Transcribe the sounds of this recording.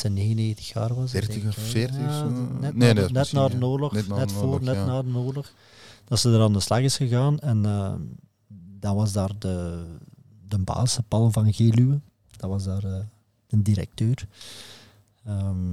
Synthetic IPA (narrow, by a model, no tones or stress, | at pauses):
səneːɣəneːɣtə̥xja̰ːrʋɑseː | nɛnɛtnaːdənoːrlɔxnɛtfoːrnɛtnaːdənoːrlɔx | d̥ɑtsədəɾaːndəslɑɣɪsxəɣaːnɛnə | dɑnʋɑzdaːrdə | dəmba̰ːsəpɑlˠvɑnɣeːlyə | d̥ɑʋɑzdaːrə | d̥əndiɾɛ̰k̚tøːr | əm